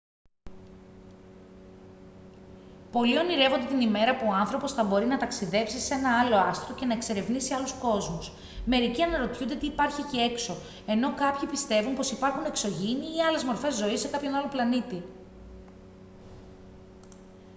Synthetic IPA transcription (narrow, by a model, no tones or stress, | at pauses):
po̞lio̞niɾe̞vo̞nd̪e̞t̪inime̞ɾɐpuoɐnθɾo̞po̞sθɐbo̞ɾinɐt̪ɐksiðe̞psise̞nɐɐlo̞ɐst̪ɾoce̞nɐe̞kse̞ɾe̞vnisiɐlusko̞zmus | me̞ɾiciɐnɐɾo̞t̪çund̪et̪iːpɐɾçicie̞kso̞ | e̞no̞kɐpçipist̪e̞vumpo̞sipɐɾxune̞kso̞ʝiniːɐle̞zmo̞ɾfe̞zːo̞isːe̞kɐpço̞nɐloplɐnit̪i